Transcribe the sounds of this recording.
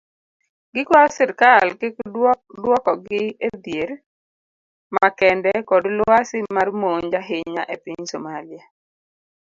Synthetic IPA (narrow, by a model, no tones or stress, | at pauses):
ɡɪkwasɪɾkalkekdwɔkɔɡɪed̪jeɾ | makɛndɛkɔdlʊasɪmarmoɲd͡ʒaɦeɲa̰ʔepiɲsomalɪja